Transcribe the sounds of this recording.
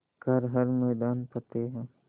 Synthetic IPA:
kɐɾɦɐɾmɛːd̪aːnpɐt̪eɦɛ̃ː

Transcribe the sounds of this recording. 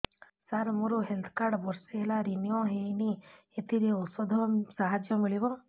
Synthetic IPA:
saɾmuɾuɦelt̪ʰkaɾɖbɔɾseelaɾinijɔɦejni | et̪iɾeɔsɔd̪ʱɔsaɦad͡ʒjɔmiɭibɔ

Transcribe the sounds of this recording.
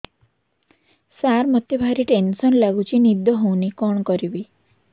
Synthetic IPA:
saɾmɔt̪jɔbʱaɾiʈensɔnlaɡut͡ʃʰinid̪jɔɦownikɔɳ̃kɔɾibi

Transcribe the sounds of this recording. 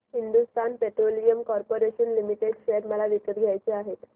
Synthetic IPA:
ɦind̪ust̪anpeʈɾolijəmkɔɾpoɾeɕənlimiʈeɖɕeɾməlaʋikəɾɡʱjajt͡seaɦet̪

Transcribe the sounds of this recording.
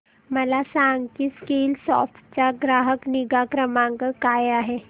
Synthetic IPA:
məlasãŋɡkiːskilsɔ̰fʈt͡ɕaɡɾaɦəkniɡakɾəmaŋkəkajaɦe

